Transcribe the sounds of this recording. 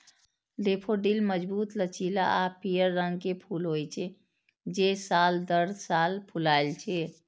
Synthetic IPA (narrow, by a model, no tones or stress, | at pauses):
lepʰoɖilməd͡ʒbut̪lət͡ʃilaʔapijəɾːəŋɡkepʰulɦojt͡ʃʰɛ | d͡ʒesald̪əɾsalpʰulalt͡ʃʰɛ